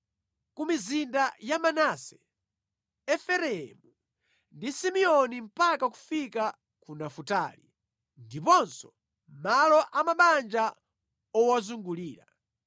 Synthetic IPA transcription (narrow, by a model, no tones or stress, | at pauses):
kumizindajamanasɛ | ɛfɛɾɛɛmu | ndisimiɔnim̩pakaku̥fika | kunafuta̰ːlḭ | ndipɔnsɔ | malɔʔamaɓand͡ʒa | ɔwazuŋɡuliːɾa̰